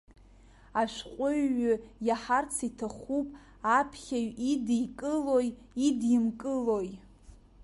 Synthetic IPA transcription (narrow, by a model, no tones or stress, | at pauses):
aʃʷᶣqʷʼʊɥːʊjaħart͡sʰitʰaχupʼ | apʰχʲaɥidikʼɨloj | idimkʼɨloj